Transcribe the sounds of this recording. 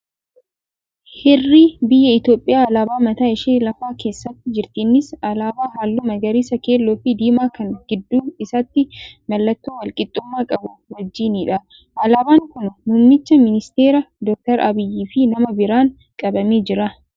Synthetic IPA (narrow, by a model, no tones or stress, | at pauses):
hɛrːiːbɪjːɐɪt̪jo̞ːpʼːɪjaːlaːbaːmɐt̪aːɪʃiːlɐfaːke̞ːsːɐt̪ːɪd͡ʒɪɾt̪iːnːɪsɐlaːbaːɦaːlːuːmɐɡɐɾiːsɐke̞ːlːoːfɪd̪iːmaːkɐnɡ̥ɪd̪ːuːɪsɐt̪ːɪmɐlːɐt̪ːoːwɐlkʼɪt̪ʼːʊmːaːkʼɐbʊwɐd͡ʒːiːniːᶑɐ | ʔɐlaːbaːŋkʊnnʊːmnɪt͡ʃːɐmɪnɪst̪e̞ːɾɐd̪ɔk̚t̪ɐɾɐbɪjːiːfɪnɐmɐbɪɾaːŋ | kʼɐbɐmeːd͡ʒɪɾɐ